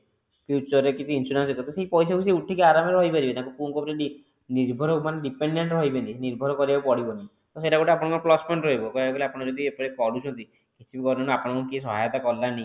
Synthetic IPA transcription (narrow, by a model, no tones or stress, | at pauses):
fjut͡ʃɔɾekit͡ʃʰiinsuɾanset̪ɔt̪seipɔjs̬akusiuʈʰikiaɾamɔɾɾɔjpaɾibet̪akupuŋkɔpɾeɖi | niɾbʱɔɾɔmaneɖipeɳɖeɳʈɾɔɦibent̪iniɾbʱɔɾɔkɔɾibapɔɽibɔni | t̪ɔseʈakuʈeapɔɽɔ̃ŋkɔɾplɔsmɔɳʈɾɔɦibɔkɔeɡoliapɔɽ̃ɔd͡ʒɔd̪iepɔɽipɔɽut͡ʃʰɔnt̪i | kit͡ʃʰibikɔɾɔnapɔɽ̃kukis̬ɔɦajt̪akɔlːani